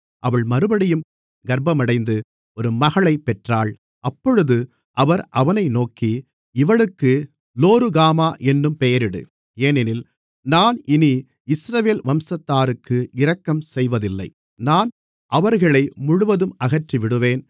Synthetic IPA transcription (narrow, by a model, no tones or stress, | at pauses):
ʔɐʋɐɭmɐɾɯbɐɽɪjɯm | ɡɐɾbɐmɐɽɐɪnd̪ɯ | ɔɾɯmɐɣɐɭɐɪpːɛʈraːɭ | ʔɐpːɔɻɯðɯ | ʔɐʋɐɾʔɐʋɐnɐɪnoːki | ɪʋɐɭɯkːɯ | loːɾɯɣaːmaːʔɛnːɯmpejɐɾɪɽɯ̰ | eːnɪnɪl | naːnɪni | ɪsɾɐʋeːlʋɐmsɐt̪ːaːɾɯkːɯʔɪɾɐkːɐmsɛjʋɐðɪlːɐɪ | naːn | ʔɐʋɐɾɣɐɭɐɪmʊɻʊʋɐðɯmɐɣɐʈriʋɪɽɯʋeːn